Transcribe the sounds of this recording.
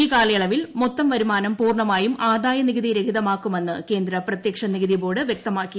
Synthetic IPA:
iːkaːlɐjɐɭɐʋilmot̪ːɐmʋɐɾumaːnɐmpuːrɳɐmaːjumʔaːd̪aːjɐniɣɐðiɾe̞kʰiðɐmaːkːume̞nːɨke̞ːnd̪ɾɐprɐt̪jɐkʂɐniɣɐðibo̞ːɽɨʋjek̚t̪ɐmaːkːi

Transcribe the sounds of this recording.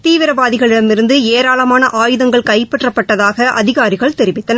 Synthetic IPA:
t̪iːʋɪɾɐbaːðɪɣɐɭɪɽɐmɪɾɯnd̪ɯeːɾaːlɐmaːnɐʔaːjɯðɐŋɡɐɭkɐɪpːɛʈrɐpːɐʈːɐðaːɣɐʔɐðɪɣaːɾɪɣɐɭt̪ɛɾɪʋɪt̪ːɐnɐ

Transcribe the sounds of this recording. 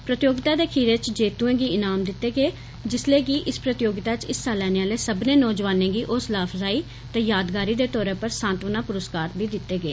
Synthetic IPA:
pɾət̪ɪjoːɡɪt̪aːd̪eːkʰiːɾɪt͡ʃd͡ʒeːt̪uẽːɡiːɪnaːmd̪ɪt̪ːeːɡeː | d͡ʒɪsleːɡiːʔɪspɾət̪ɪjoːɡɪt̪aːt͡ʃɪssaːlɛːneːaːleːsəbneːnɔːd͡ʒʋaːnẽːɡiːʔʊslaːfʰɾaːiː | t̪ɛːjaːd̪ɡaːɾiːd̪eːt̪ɔːɾẽːpəɾsãːnt̪ʋənãːpʊɾəskaːɾt̪biːd̪ɪt̪ːeːɡeː

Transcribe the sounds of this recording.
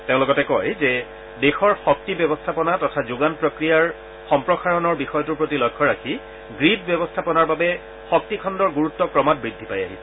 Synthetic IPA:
teʊ̃lʊkɔtɛkɔjzɛ | dexɔɹxɔk̚tibɛbɔstʰapɔnatɔtʰazʊɡanpɹɔkɹijaɹ | xɔmpɹɔxaɹɔnɔɹbixɔjɔtuɹpɹotilɔjkʰːɔɹakʰi | ɡɹidbjɛbɔstʰapɔnaɹbabɛ | xɔk̚tikʰɔndɔɹɡuɹutːɔkɹɔmat̚bɹidʱːipaja̰ɦisɛ

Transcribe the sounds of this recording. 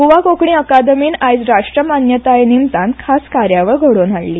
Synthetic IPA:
ɦuʋakokɳiəkad̪əmiːnajd͡zɾaʂʈɾəmanjət̪ajnimsãnkʰaskaɾjaʋəɾɡʱəɽonaɽlːiː

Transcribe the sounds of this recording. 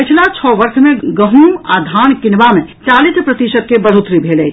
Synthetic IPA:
pɪt͡ʃʰlat͡ʃʰɔʋəɾsmẽɡəɦuad̪ʱaːnkɪnʋamẽt͡ʃaːlispɾət̪iʃəd̪̚kebəl̤ut̪ɾibʱeːlɛ

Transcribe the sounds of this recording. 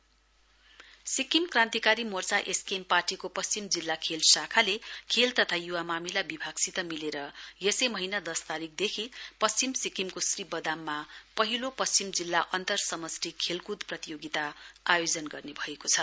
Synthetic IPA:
sikimkrãnt̪ikaɾimort͡saʔeskemparʈikopʌst͡simd͡zilːakʰelsakʰalekʰelt̪ʌt̪ʰajuwamamilabibʱaɡsit̪ʌmileɾʌjesʌjmʌɦinad̪ʌst̪aɾik̚d̪ekʰipʌst͡simsikimkosribʌd̪amːapʌɦilopʌst͡simd͡zilːaʔʌnt̪ʌrsʌmʌsrikʰelkud̪prʌt̪ijoɡit̪aajod͡zʌnɡʌrnebʱʌekot͡sʰʌ

